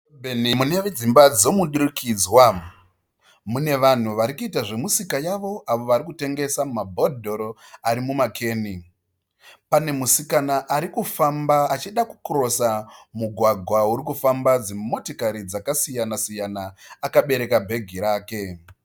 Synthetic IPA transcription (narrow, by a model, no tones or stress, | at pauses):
bʱenimuneʋed͡zimbad͡zomuɗiɾikʰiːd͡zwa | mune̞ʋan̤uʋaɾikuitaʐe̞musikajaʋo̞ʔaʋo̞ʋaɾikute̞ŋɡe̞samumabʱodʱo̞ɾoaɾimumakʰe̞ːni | pane̞musikanaʔaɾikufambaːt͡ʃiɗaku̥kɾo̞samuɡʱwaɡʱwauɾikufambad͡zimo̞tokaɾid͡zakasijanasijanaːkaɓe̞ɾe̞kabʱe̞ɡʱiɾaːke̞